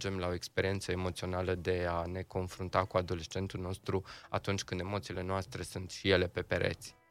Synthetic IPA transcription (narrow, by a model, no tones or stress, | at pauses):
d͡ʒe̞mlao̞ekspe̞ɾiet̪səemo̞t̪sio̞naləd̪e̞ane̞ko̞nfɾunt̪akuad̪o̞le̞st͡ʃe̞nt̪ulno̞st̪ɾua̰t̪unt͡ʃʲkɨnd̪e̞mo̞t̪sile̞noast̪ɾe̞sunt̪ʃije̞le̞pe̞peɾḛt̪sʲ